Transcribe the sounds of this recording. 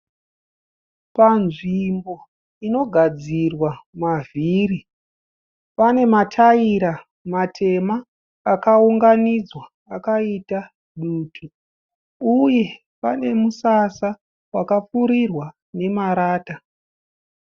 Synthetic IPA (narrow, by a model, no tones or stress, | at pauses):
panʐimbo̞ | ino̞ɡʱad͡zirwamaviri | pane̞matʰaiɾa | matʰe̞maː | kauŋɡanid͡zwaːkaita | ɗuːtʰu | uje̞ | pa̰ne̞musasa | wakap͡fuɾirwa | ne̞maɾaːta